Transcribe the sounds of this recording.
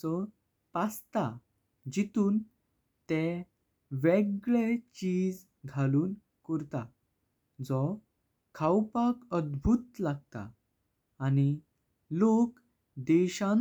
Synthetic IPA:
ɔ | past̪a | d͡ʑit̪uːn | t̪e | ʋeɡɭet͡ɕiːd͡z | ɡʱaluːn | kəɾt̪a | d͡zɔ | kʰawpakəd̪bʱut̪laɡ̚t̪a̰ː | ñi | lok | d̪ɛɕãn

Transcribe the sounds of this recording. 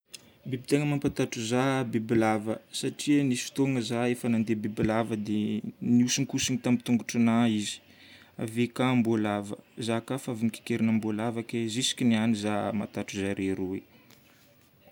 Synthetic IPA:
bibit̪eŋəmampat̪aʈ͡ʂuzabibilavəsaʈ͡ʂiənisu̥t̪oŋəzaefənand̪ebibilavəd̪eniusiŋikusinit̪amit̪uŋɡuʈ͡ʂanaizi̥ | a̰vekambolavə̰zakafaviniki̥keɾinambolavakezisi̥kʲinianizama̰t̪aʈ͡ʂuzaɾeɾuwḛ

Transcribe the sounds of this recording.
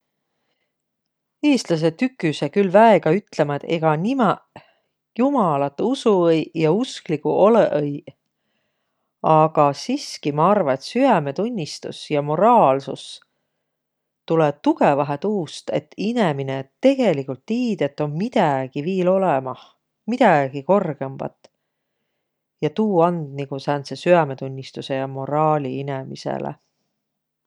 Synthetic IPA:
eːst̪lɑs̬e̞t̪ykːˑysekylvæeɡ̥ɑyt̪ˑle̞mɑt̪e̞̰ɡ̥ɑnimɑ | jumɑlɑt̪ːˑusuejjɑusklikuʔoleʔej | ɑɡ̥ɑsiskimɑɑrvɑet̪syæme̞t̪unʲːist̪ṵsjɑmo̞ɾɑːlsṵs | t̪uleb̥̚t̪uɡ̥evɑɦet̪uːst̪e̞̰t̪ːineminet̪e̞ɡ̥e̞likːult̪ːiːd̪̥e̞t̪ːˑo̞nmid̪̥æɡ̥iviːlo̞lemɑh | mid̪̥æɡ̥iko̞rɡ̥e̞mb̥ɑ̰t̪ːˑ | jɑt̪uːɑnd̪niɡ̥usæːnsesyæme̞t̪unʲːist̪use̞jɑmo̞ɾɑːliine̞mḭsḛlḛ

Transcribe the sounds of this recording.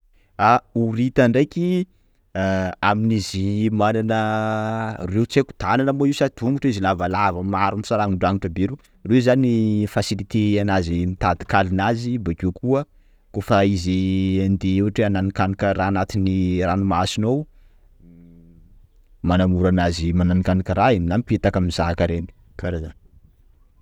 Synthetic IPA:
auɾit̪aɳɖ͡ʐejkʲi | aminizimananə | rewt͡seku̥t̪ananəmoiusat̪ʰuŋɡuʈ͡ʂizilavalavəmaɾunisaɾaŋuɳɖ͡ʐaŋiʈ͡ʂəbeɾu | rezanifasilit̪eanazimit̪ad̪i̥kalinazibakikʰuə | kofaiziand̪iewaʈ͡ʂiananikanikəɾaːnat̪iniranumasinow | manamuɾanazimananikanikəɾaiminampet̪akamizakaɾeni̥ | kaɾazan

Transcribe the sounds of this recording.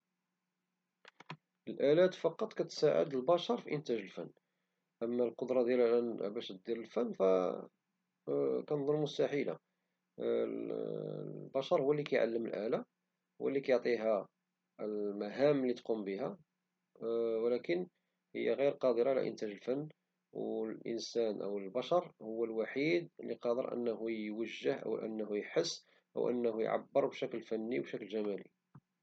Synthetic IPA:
ʔəlʔælæt̪fɑqɑt̪ˤkæt̪sæʕə̰d̪əlbɑʃɑɾˤfiʔənt̪æʒəlfə̰nː | ʔəmːælqod̪ɾˤɑd̪jælæʔænbæʃət̪̚d̪iɾəlfənːfæ̰ | kænd̪ˤʊɾmʊst̪æħila̰ | bɑʃɑɾˤhʊwːælːikæjʕa̰lːəməlʔæ̰læ | wʔə̰lːikæjoʕt̪ˤiɦæ | lmæɦæmlit̪qumbəɦæ | wlækən | hə̰jːæɣiɾqɑd̪əɾˤɑʕlæ̰ʔə̰nt̪æʒəlfənː | wlʔə̰nsænʔə̰wəlbɑʃɑɾˤhʊwːælwaħid̪lḭqɑd̪əɾʔə̰nːhujwəʒːəhʔə̰wʔə̰nːhujħəsː | ʔə̰wʔə̰nːhujʕa̰bːəɾˤbʃæklfænːiwbʃəklʒæmælḭ

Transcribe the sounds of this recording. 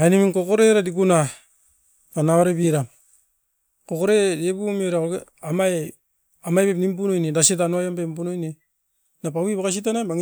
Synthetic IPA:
animiŋkokoɾeɾadikuna | panaβaɾebiɾam | kokoɾedebumeɾaoɡeamaj | amajpepnimpunojnedasetanuajampempunojne | nap̬awiβakas̬it̬anamaŋ

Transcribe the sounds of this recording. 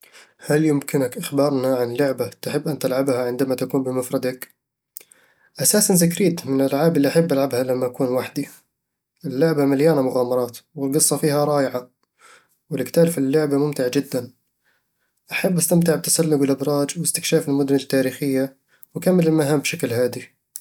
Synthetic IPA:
haljʊmkɪnakʔɪxbɑːɾˤnaʕanlːʊʕbat̪aħɪbːʔant̪alʕabhaʕɪnd̪amat̪akuːnbɪmafɾˤɑd̪ak | ʔasaːsanzɪkɾiːt̪mɪnɪlʔalʕaːbɪlːiʔaħabːʔalʕabhalamːaʔakuːnwaħd̪i | ʔɪlːʊʕbamaljaːnamʊɣaːmɑɾˤɑːt̪wɪlɡɨsˤːɑfiːhaɾˤɑːjɪʕa | wɪlɪɡt̪aːlfilːʊʕbamʊmt̪ɪʕd͡ʒɪd̪ːan | ʔaħabːʔast̪amt̪ɪʕb̚t̪ḁsalːʊɡwɪlʔɪbɾˤɑːd͡ʒwɪst̪ɪkʃaːfɪlmʊd̪ʊnɪt̪ːaːɾiːxɪjːa | wɪkamːɪlɪlmaɦaːmbʃaklhaːd̪i

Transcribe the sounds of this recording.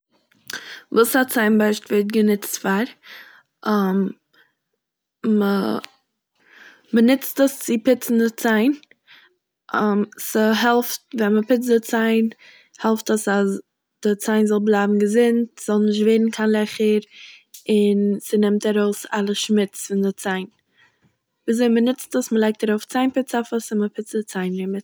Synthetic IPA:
vuːsat͡saɪnbaɪʃtvɛt̚ɡənɪt͡stfaɾ | am | mə | bənɪt͡stəst͡sɪpɪt͡sn̩dɪt͡saɪn | ʔɔmsəɦɛlˠftvɛnməpɪt͡s̬dɪt͡saɪn | hɛlˠftəsas | d̥ɪt͡saɪnzɔlˠblˠaɪbm̩ɡəzɪntz̥ɔlˠnɪʃ̬tveɪɾn̩kʰanlˠɛχəɾɪnsənɪmtaɾoʊsalˠəʃmɪt͡sfɪndɪt͡saɪn | viːzoɪmənɪt͡stəsməlˠaɪk̚taɾoʊft͡saɪnpɪt͡safəsɪnməpʰɪt͡sdɪt͡saɪnɾɪmət

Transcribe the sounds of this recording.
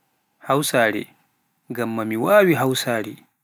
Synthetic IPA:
hawsaːɾɛ̰ | ɡamːamiwaːwiɦawsaːɽɛ

